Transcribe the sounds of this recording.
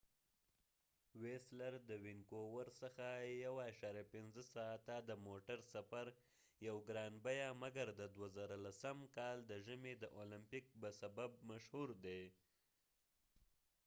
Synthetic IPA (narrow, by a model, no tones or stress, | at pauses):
weslaɾd̪əwɪŋkowəɾsəxajawaaʃɑɾjapɪnzəsɑt̪ad̪əmoʈaɾsafaɾ | jawɡɾɑnbajamaɡaɾd̪əd̪wazaɾalasəmkɑld̪əʒəmed̪əʔolɪmpik̚bəsabab̚maʃhuɾd̪e